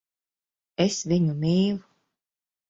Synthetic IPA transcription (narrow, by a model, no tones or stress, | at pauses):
esviɲumiːlˠu